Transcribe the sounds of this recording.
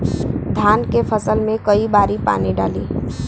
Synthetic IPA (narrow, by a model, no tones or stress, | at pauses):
d̪ʱjaːnkepʰəsəlmẽkəibaːɾipa̰ːniɖa̰ːliː